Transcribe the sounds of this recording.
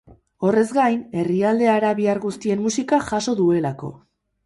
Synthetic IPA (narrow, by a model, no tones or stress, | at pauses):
o̞re̞zɡajne̞riald̪e̞aɾaβiaɾɣust̪ie̞mːusikaʝaso̞ðue̞lako̞̰